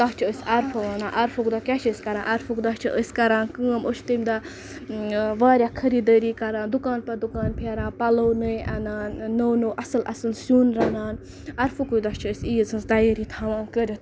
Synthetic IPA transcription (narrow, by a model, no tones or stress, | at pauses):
d̪ɐt͡ʃʰɐəsʲɐɾfʰɐʋanaːʔɐɾfukd̪akʲat͡ʃʰəːsʲkɐɾãːʔɐɾfukd̪ɐt͡ʃʰiʔəsʲkɐɾãːnkɨəmot͡ʃʰt̪əmd̪a | ʋaːɾʲjakʰɐɾiːd̪əɾiːkɐɾaːnd̪ukaːnpɐd̪ukaːnpʰʲaɾãːpɐlownɨjɐnaːnːownoːʔɐsɨlɐ̰sɨlsuːnɾɐnaːn | ɐɾfukujd̪ɐt͡ʃʰɐəsʲijzɐsd̪ajəɾit̪ʰhɐʋaːnkəɾʲɐt̪